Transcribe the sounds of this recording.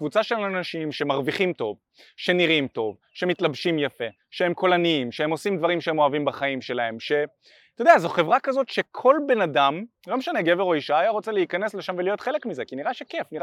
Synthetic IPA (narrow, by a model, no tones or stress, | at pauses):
kvut͡saʃe̞lanaʃimʃe̞maʁviχimto̞v | ʃe̞niʁimto̞v | ʃe̞mitlabʃimjafe̞ | ʃeemko̞laniimʃeemo̞simd̪vaʁimʃeemo̞avimbaχaimʃe̞lae̞mʃe̞ | t̪od̪eazoχe̞vʁakazo̞tʃe̞kʰo̞lbe̞nadam | lo̞meʃaneɡe̞veʁo̞iʃaːjaʁo̞t͡seleikane̞sleʃamvelijo̞tχe̞le̞kmize̞kiniʁaʃekefniʁa